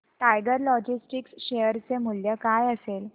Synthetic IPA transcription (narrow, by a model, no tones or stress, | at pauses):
ʈajɡəɾlɔd͡ʑisʈiksɕejəɾt͡semuljəkajəsel